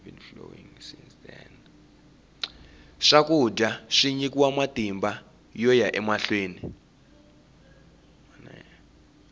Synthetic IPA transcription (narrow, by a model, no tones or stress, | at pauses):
vinflo̰wḭŋsinsd̪ɛ̰n | ʂakʼudʱaʂiɲikʼiwamatʼimba | jɔjaʔɛmaɬweːni | ana̰